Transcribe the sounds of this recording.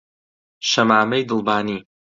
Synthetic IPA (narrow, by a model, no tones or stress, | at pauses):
ʃɐmaːmɐjd̪ɨlˠbaːniː